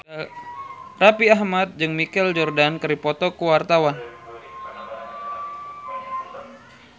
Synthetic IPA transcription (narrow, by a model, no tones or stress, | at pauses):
rapiaɦmat̪̚d͡ʒɨŋmikɛld͡ʒɔrdankɨɾipɔt̪ɔkuwart̪awan